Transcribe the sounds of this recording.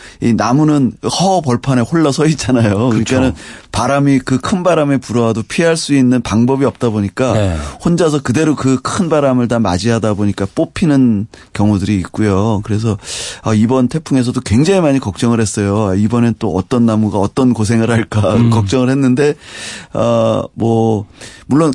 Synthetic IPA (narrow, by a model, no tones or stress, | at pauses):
inamunɯnhʌpʌɭpʰane̞hoɭːʌsʰʌit̚t͡ɕ͈anajokɯɾik͈anɯnpaɾamikɯkʰɯnbaɾame̞puɾʌɦadopʰieɦaɭs͈uinːɯnpaŋbʌbiʌp̚t͈aboɲik͈ahond͡ʑas̬ʰʌkɯde̞ɾokɯkʰɯnbaɾamɯɭtama̰d͡ʑiɦadaboɲik͈ap͈opʰinɯnkjʌŋudɯɾiːt̚k͈ujokɯɾe̞s̬ʰʌaibʌntʰe̞pʰuŋe̞s̬ʰʌdokwe̞ŋd͡ʑaŋimaɲikʌk̚t͡ɕ͈ʌŋɯɭhe̞s͈ʌjoaibʌnet͈oʌt͈ʌnːamuɡaʌt͈ʌnkos̬ʰe̞ŋɯɭhaɭk͈akʌk̚t͡ɕ͈ʌŋɯɭhe̞nːɯnde̞ | ʌmwʌmuɭːon